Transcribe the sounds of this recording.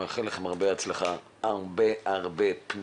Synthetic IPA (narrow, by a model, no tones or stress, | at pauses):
aχeleχemaʁbeat͡sleχa | aʁbeaʁbepn